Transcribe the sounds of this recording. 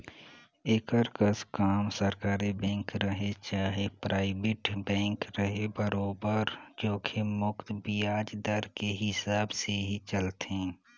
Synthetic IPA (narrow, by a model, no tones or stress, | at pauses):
ekəɾkəskaːmsəɾkaːɾibɛ̃ːŋkɾəɦet͡ʃaːɦepɾʔaːɪbeʈbɛ̃ːŋkɾəɦebəɾoːbəɾd͡ʒoːkʰemʊkt̪bijaːd͡ʒd̪əɾkeɦɪsaːbseɦit͡ʃəlt̪ẽː